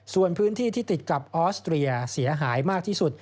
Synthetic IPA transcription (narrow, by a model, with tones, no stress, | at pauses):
su˨˩ənpʰɯː˦˥nt̪ʰiː˥˩t̪ʰiː˥˩t̪i˨˩t̪̚kla˨˩p̚ʔɔː˦˥st̪ɾi˧a˧si˩˦ɐɦaː˩˦jmaː˥˩k̚t̪ʰiː˥˩su˨˩t̪̚